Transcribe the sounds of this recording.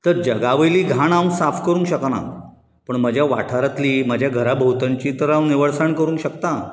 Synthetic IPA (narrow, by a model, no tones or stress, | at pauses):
t̪əɾd͡ʑəɡaʋəjliːɡʱaɳawsafkəɾũːŋkɕəkna̰ | pəɳməd͡ʑʱjaʋa̰ʈʰaɾət̪liːməd͡ʑʱjaɡʱəɾabʱəɦut̪aɲt͡ɕiːt̪əɾãwniʋəɭsaɳkəɾũːŋkɕəkt̪a